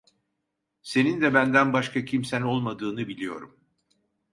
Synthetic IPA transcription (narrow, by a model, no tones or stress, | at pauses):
se̞nind̪ɛbænd̪ænbaʃkʰacʰimsæno̞lˠmad̪ɯːnɯbilʲijo̞̰ɾum